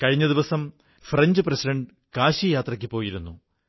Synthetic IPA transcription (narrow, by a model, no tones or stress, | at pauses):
kɐɻiɲːɐðiʋɐsɐm | frɐɲd͡ʑɨprɐsiɖɐɳɖɨ | kaːɕijaːt̪rɐkʲːɨpo̞ːjiɾunːu